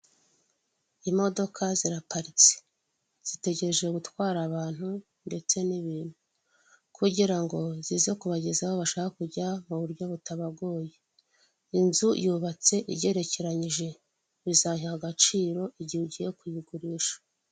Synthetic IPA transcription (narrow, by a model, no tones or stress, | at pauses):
imo̞do̞kʰaziɾapaɾit͡se̥ | z̥ite̞ɟe̞ɾe̞ʒe̞ɡutwaːɾaβaːn̥hu | nde̞t͡se̞niβiːn̥u | kʰuɟiɾaŋɡo̞zizekuβaɟe̞zaβoβaʃaːkakuɟamuβuɾɟo̞βutaβaɡo̞ːje̞ | inzujuβat͡se̞ʔiɟe̞ɾe̞ce̞ɾaɲiʒe̞ | βizaɲihaɡat͡ʃiːɾo̞ʔiɟiuɟije̞kujiɡuɾiʃḁ